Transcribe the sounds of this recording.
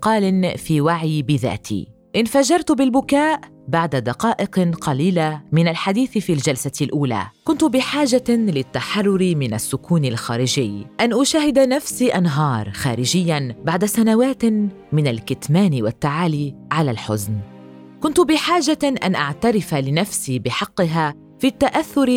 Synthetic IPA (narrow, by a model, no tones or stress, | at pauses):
qɑːlɪnfiːwaʕiːbɪða̰ːt̪ʰḭː | ʔɪnfaʒɑɾˤt̪ʊbɪlbʊkaːʔ | baʕd̪ad̪ɑqɑːʔɪqqɑliːlamɪnalħad̪iːθɪfiːld͡ʒalsaɪlʔuːla̰ːkʊnt̪ʊbɪħaːʒalɪt̪ːaħɑrˤːʊɾɪmɪna̰sːʊkuːnɪlxaːɾɪʒɪjːʔanʔʊʃaːɦɪd̪anafsiːʔanɦɑːɾˤxa̰ːɾɪd͡ʒɪjːanbaʕd̪asanawaːt̪ | mɪnalkɪt̪maːnɪwat̪ːaʕaːliːʕalalħʊ̰zn | kʊnt̪ʊbɪħaːʒaʔa̰nʔaʕt̪aɾɪfalɪnafsiːbɪħɑqːɪɦaː | fiːt̪ːaʔaθːʊɾ